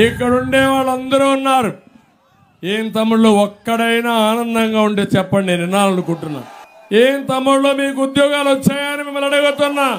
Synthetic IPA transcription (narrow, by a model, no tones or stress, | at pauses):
ikːɐɽuɳɖeːʋaːɭːɐnd̪ɐɾuːunːaːɾu | eːnt̪ɐmːuɽloːɔkːɐɽɐjnaːaːnɐnd̪ɐŋɡaːuɳʈeːt͡ʃɛpːɐɳɖinɪnaːlɐnukuɳʈunːa̰ː | eːnt̪ɐmːuɽlo̞ːmiːk̬uud̪jɔːɡaːluɐt͡ʃːaːjaːnimimːɐlɐɽuɡut̪unːaː